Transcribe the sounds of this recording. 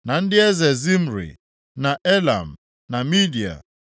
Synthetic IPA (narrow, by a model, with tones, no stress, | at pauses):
na˨n̩˦dɪ˦e˦ze˨zi˦m̩˦˨ɾḭ˨ | na˨ʔe˦la̰˨m̩˨ | na˨mi˦di˨a̰˨